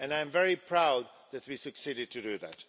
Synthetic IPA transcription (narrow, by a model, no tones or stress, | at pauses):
ɨ̃nãɪ̃ɱvɛɹipʰɹ̥aʊd̪̚ | ðɨt̚wisɨksiɾɨd̚tʰɨdɨðæ̰t